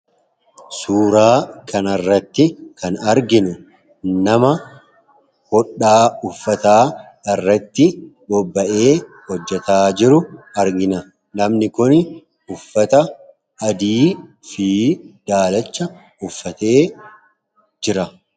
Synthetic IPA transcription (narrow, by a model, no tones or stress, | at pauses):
suːɾaːkʰɐnɐrːɐt̪ːɪkɐnɐɾɡɪnʊ | nɐmɐ | hɔᶑːaːʊfːɐt̪aː | ɐrːɐt̪ːɪbɔbːɐʔe̞ː | hɔd͡ʒːɛt̪aːd͡ʒɪɾʊɐɾɡɪnɐ | nɐmnɪkʊn | ʊfːɐt̪ɐ | ɐd̪iː | fid̪̥aːlɐt͡ʃːɐ | ʊfːɐt̪e̞ː | d͡ʒɪɾɐ